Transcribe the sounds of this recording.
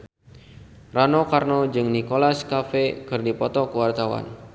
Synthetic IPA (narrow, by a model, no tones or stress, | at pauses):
ranɔkarnɔd͡ʒɨŋnikolaskafɛkɨrdipɔt̪ɔkəwart̪awa̰n